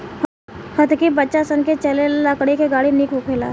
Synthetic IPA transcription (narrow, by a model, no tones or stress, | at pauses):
hɐt̪kibətːʃasənket͡ʃɐleləkɽikeɡaːɽinikokʰeːla̰ː